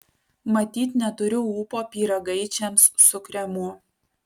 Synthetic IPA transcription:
mɐt̪ʲiːt̪nʲɛt̪ʊɾʲʊuːpoːpʲiːɾɐɡɐɪt͡ʃʲɛmsːʊkɾʲɛmʊ

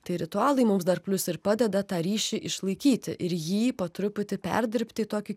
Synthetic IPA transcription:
t̪ɐɪɾʲɪt̪ʊɑːlˠɐɪmʊmsd̪ɐrpʲlʲʊsɪɾpɑːd̪ʲɛd̪ɐt̪ɑːɾʲiːʃʲiʔɪʃlˠɐɪkʲiːt̪ʲɪʔɪɾjiːpɐt̪ɾʊpʲʊt̪ʲɪpʲɛ̰ɾʲd̪ʲɪɾʲpʲt̪ʲɪt̪oːkʲɪ

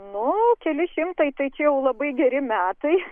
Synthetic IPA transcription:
nʊkʲɛlʲɪʃʲɪmt̪ɐɪt̪ɐɪt͡ʃʲɛjɛʊlˠɐbɐɪɡʲɛɾʲɪmʲæːt̪ɐɪ

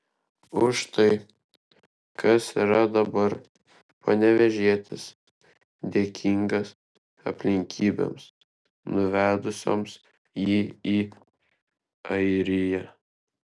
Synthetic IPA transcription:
ʊʃt̪ɐɪ | kʰɐsiːɾɐd̪ɐbɐɾ | pɐnʲɛʋʲɛʒʲiɛt̪ʲɪs | d̪ʲeːkʲʰiŋɡɐs | ɐ̰pʲlʲɪŋʲkʲʰiːbʲḛms | nʊʋʲæːd̪ʊsʲo̰ːms | jiːiː | ɐɪɾʲɪjɛ

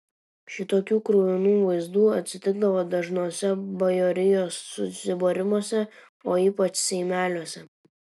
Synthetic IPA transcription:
ʃʲɪt̪oːkʲuːkɾʊʋʲɪnuːʋɐɪzd̪uːɐt̪ʲsʲɪt̪ʲɪɡ̚d̪ɐʋoːd̪ɐʒnoːsʲɛbɐjoːɾʲɪjoːsːʊsʲɪboːɾʲɪmoːsʲɛ | oːiːpɐt͡ʃsʲɛɪmʲæːlʲuɔsʲɛ

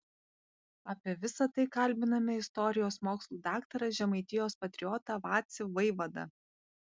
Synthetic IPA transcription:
ɑːpʲiɛʋʲɪsɐt̪ɐɪkɐlʲˑbʲɪnɐmʲɛɪst̪ɔɾʲɪjoːsmoːkslˠuːd̪ɑːkt̪ɐɾɐʒʲɛmɐɪt̪ʲɪjoːspɐt̪ʲɾʲɪɔt̪ɐʋɑːt̪sʲɪʋɐɪʋɐd̪ɐ̰

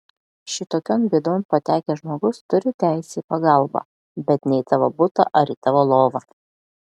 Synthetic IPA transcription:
ʃʲɪt̪oːkʲoːnbʲiɛd̪oːnpɐt̪ʲæːkʲɛʒmoːɡʊst̪ʊɾʲɪt̪ʲæˑɪsʲeːiːpɐɡɐˑlˠˑbɑ̰ | bʲɛt̪nʲɛɪt̪ɑːʋobʊt̪ɐ̰ʔɐɾiːt̪ɑːʋoːlˠoːʋɐ

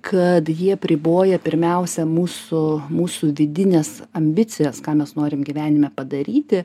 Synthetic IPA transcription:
kʰɐt̪jiɛɐpʲɾʲɪboːjɛpʲɪɾʲmʲɛʊsʲɛmuːsʊmuːsuʋʲɪd̪ʲɪnʲɛsɐmʲbʲɪtt͡s̪sʲɪjɛskɑːmʲɛsnoːɾʲɪmɡʲiʋʲæːnʲɪmʲɛpɐd̪ɐɾʲiːt̪ʲɪ

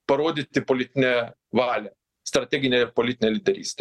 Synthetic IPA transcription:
pɐɾoːd̪ʲɪtt̪ʲɪpoːlʲɪt̪ʲɪnʲɛ | ʋɑːlʲɛ | st̪ɾɐt̪ʲɛɡʲɪnʲɛɪɾpoːlʲɪt̪ʲɪnʲeːlʲɪd̪ʲɛɾʲḭːsʲt̪ʲɛ

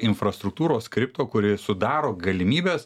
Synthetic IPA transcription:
ɪnfɾɐst̪ɾʊk̚t̪uːɾoːskɾʲɪp̚t̪oːkʊɾʲɪsʊd̪ɑːɾoːɡɐlʲɪmʲiːbʲɛːs

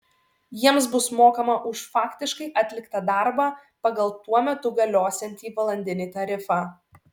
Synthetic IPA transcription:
jiɛmsbʊsmoːkɐmɐʔʊʃfɑːkʲt̪ʲɪʃkɐɪʔɐt̪ʲlʲɪkt̪ɐd̪ɑˑɾbɑːpɐɡɐlˠt̪uɔmʲɛt̪ʊɡɐlʲoːsʲɛnʲt̪ʲiːʋɐlˠɐnʲd̪ʲɪnʲiːt̪ɐɾʲɪfɑː

